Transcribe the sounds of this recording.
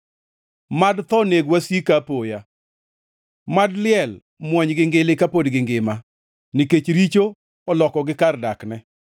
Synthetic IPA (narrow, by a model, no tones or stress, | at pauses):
madt̪ɔneɡwasikapoja | madlɪɛl | mwɔɲɡɪŋɡɪlɪkapodɡɪŋɡɪma | nɪket͡ʃɾit͡ʃo | ɔlɔkɔɡɪkardaknɛ